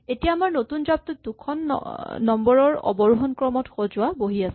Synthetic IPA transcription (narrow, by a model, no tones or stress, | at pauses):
etijaːmaɹnotunzap̚tʊdukʰɔn̰ːɔmbɔɹɔɹɔ̰bɔɹuɦɔnkɹɔmɔtxozʊaboɦiasɛ